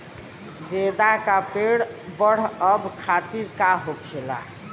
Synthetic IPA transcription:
ɾed̪akapeɽbəɽ̤əbkʰat̪iɾkaɦokʰela̰

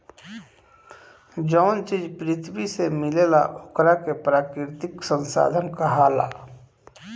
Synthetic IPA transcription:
d͡ʒɔʊnt͡ʃiːd͡ʒpɾɪt̪ʰwisemɪlela̰ʔokɾakepɾaːkɾɪɾɪt̪ɪksə̃nsa̰ːd̪ʱənkaɦaːla̰

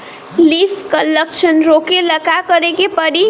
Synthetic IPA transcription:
lifʰkələkt͡ʃʰənɾokeləkakəɾekepəɽi

